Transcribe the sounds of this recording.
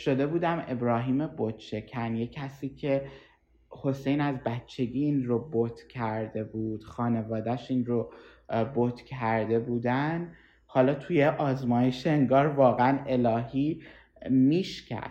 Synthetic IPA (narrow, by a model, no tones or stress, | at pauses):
ʃo̞d̪e̞buːd̪æme̞bɾɒːɦiːmebot̪ʃe̞cʰænjecʰæsiːcʰe̞ | ho̞se̞jnæzbætt͡ʃʰːe̞ɡiːnɾobot̪ʰcʰæɾd̪e̞bud̪̥xɒːne̞vɒːd̪æʃiːnɾo | bot̪ʰcʰæɾd̪e̞buːd̪ænd̪ | hɒːlɒːt̪ʰujeʔɒːzmɒːje̞ʃeeŋɡɒːɾvɒːɣeæne̞lɒːɦiː | miːʃcʰæ̰̥